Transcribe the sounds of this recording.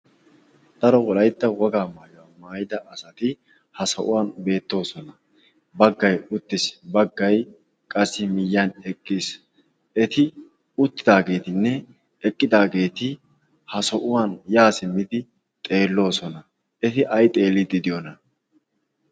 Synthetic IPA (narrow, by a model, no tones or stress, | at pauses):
d̪̥ɐɾɔwɔlɐjt̪ːɐwɔɡaːmaːjʊwamaːjɪd̪ɐʔɐsɐt̪ɪ | hɐsɐ̰ʔʊwaːnbe̞ːt̪ːo̞ːsɔnɐ | bɐɡːɐjʊt̪ːɪsbɐɡːɐj | kʼɐsːɪmɪjːanɛkʼːiːs | ɛt̪ɪ | ʊt̪ːɪd̪aːɡe̞ːt̪ɪnːɛ | ɛkʼːɪd̪aːɡe̞ːt̪ɪ | hɐsɔʔʊwaːnjaːsɪmːɪd̪ɪ | t̪ʼe̞ːlːo̞ːsɔnɐ | ɛt̪ɪʔɐjt̪ʼe̞ːlːɪd̪ɪd̪ɪjɔnɐ